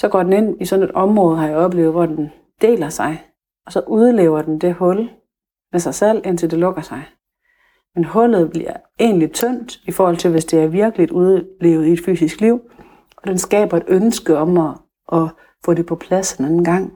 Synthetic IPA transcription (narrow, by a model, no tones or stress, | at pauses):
sɒ̽ɡ̥ɒ̰ːd̥en̩e̝n̰isɒ̽ne̝d̥ɒ̽mʁɔ̽ːð̞ˠhɑ̈jäɪɒ̽b̥le̝̰ːʊð̞̩ˠʋɒd̥en | d̥e̝̰ːlɐsɑ̈ɪ | ɒ̽sɒ̽ʔuðˠleːʊɐd̥end̥e̝hɔ̽l | mesɑ̈ɪsel̰en̰t͡sʰe̝ld̥e̝lɔ̽ɡ̥ɐsɑ̈ɪ | menɦɔ̽lð̩ˠb̥liɐ | e̝̰ːnlit͡sʰøn̰d̥ifɒːhɒ̽l̰t͡sʰe̝lʋe̝sd̥e̝æɐʋiɐɡ̥əlid̥uð̞ˠle̝̰ːʊð̩ˠied̥fy̰ːsisɡ̥liʊ̰ | ʔɒ̽d̥ensɡ̥ɛ̰ːb̥ɐe̝d̥ønsɡ̥əɒ̽mɒ | ʔɒ̽ | fɔ̰̽ːɾe̝pʰɒ̽pʰlæsd̥enænn̩ɡ̥ɑ̈ŋ̰